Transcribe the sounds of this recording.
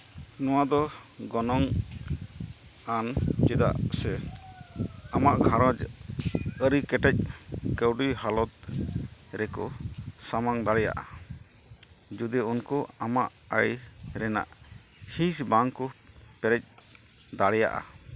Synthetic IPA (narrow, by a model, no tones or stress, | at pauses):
nɔwad̪ɔɡɔnɔŋ | and͡ʒɛd̪a̰ʔsɛ | amaʔɡʱaɾɔd͡ʒ | əɾikɛʈɛc̚kəwɖihalɔt̪̚ | ɾɛkɔsamaŋd̪aɽɛja̰ʔa̰ | d͡ʒud̪ɛunkɔamaʔ | əjɾɛna̰ʔ | hĩsbaŋkɔpɛɾɛc̚ | d̪aɽɛja̰ʔa̰